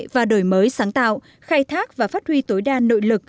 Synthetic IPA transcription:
vaː˨˩ɗo˧˩jməː˨˦jsaː˨˦ŋt̪a̰ː˧˨w | xaː˧jt̪ʰaː˦˥k̚vaː˨˩faː˦˥t̚hwi˧t̪o˨˦jɗaː˧no̰˧˨jlɨ˨˩k̚

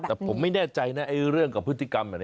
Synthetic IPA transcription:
ɛː˨˩pʰo˩˦mːa˥˩jnɛː˥˩t͡ɕa˧jna˦˥ʔa˧jɾɯ˥˩əŋkaː˨˩pʰːɯ˦˥t̪ʰːi˥˩ka˧maː˨˩n

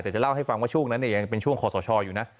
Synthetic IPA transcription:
t̪ɛː˨˩t͡ɕla˥˩wɦa˥˩jfa˧ŋwaː˥˩u˥˩əŋna˦˥nːi˥˩ja˧ŋpe˧nt͡ɕʰu˥˩əŋkʰɔː˨˩sɔː˩˦t͡ɕʰɔː˧juː˨˩na˦˥

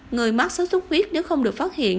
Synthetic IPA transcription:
ŋɨ˨˩əjmaː˦˥t̚saː˨˦wzʊ˨˦˥k͡p̚hwi˦˥ət̚ne˨˦wxə˧wŋ͡mɗɨ˨˩ək̚faː˦˥t̚hḭ˧˨ən

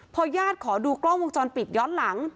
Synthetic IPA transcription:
pʰɔː˧jaː˥˩t̪̚kʰɔː˩˦duː˧klɔ˥˩wo˧ŋt͡ɕɔː˧npi˨˩t̪̚jɔː˦˥nla˩˦ŋ

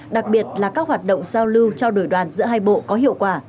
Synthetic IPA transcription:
ɗa˨˩k̚ɓi˨˩ət̚laː˨˩kaː˦˥k̚hwaː˨˩t̚ɗə̰˧˨wŋ͡mzaː˧wlɨ˧wt͡ɕɔ˧wɗo˧˩jɗwaː˨˩nzɨ̰˧˥əɦaː˧jɓo̰˧˨kɔ˨˦hi˧˨əwkwaː˧˩

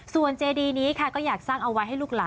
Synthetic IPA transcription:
su˨˩ənt͡ɕeː˧diː˧niː˦˥kʰa˥˩kɔː˥˩jaː˨˩k̚saː˥˩ŋʔa˧wa˦˥jɦa˥˩jluː˥˩k̚laː˩˦

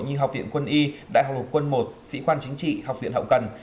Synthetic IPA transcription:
jɲɨ˧ɦa˨˩wk͡p̚vḭ˧˨ənkwə˧nʔi˧ɗa̰ː˧˨jɦw̚lə˨˩t̚kwə˧nmo˨˩t̚sḭ˧˥kwaː˧nt͡ɕï˨˦ŋ̟t͡ɕḭ˧˨ha˨˩k͡p̚vḭ˧˨nɦə̰˧˨wŋ͡mkə˨˩n

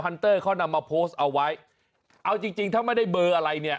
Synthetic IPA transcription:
a˧nt̪ɤː˥˩kʰɔː˥˩na˧mːaː˧pʰoː˦˥st̪̚ʔa˧wːa˦˥j | ʔa˧wt͡ɕi˧ŋt͡ɕi˧ŋt̪ʰaː˥˩ma˥˩jda˥˩jbɤː˧ʔa˧ɾa˧jni˥˩ɐ

